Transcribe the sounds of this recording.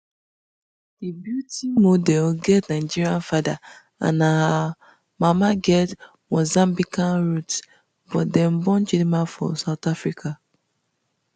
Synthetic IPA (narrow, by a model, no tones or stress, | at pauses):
d̥ibjutimodɛlɡɛtnad͡ʒiɾiãnfada | a̰naa | mamaɡɛt | mozãmbikanɾut | bɔtdɛm̩bɔ̃nd͡ʒidimafɔ̰saʊtafɾikʰa